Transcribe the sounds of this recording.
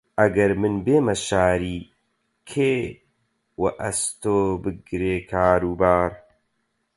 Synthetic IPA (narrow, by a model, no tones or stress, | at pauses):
ʔɐɡɐɾmɨnbeːmɐʃaːɾiː | kʰeː | wɐ̰ʔɐst̪oːbɨɡɾeːkʰaːɾuːbaːɾ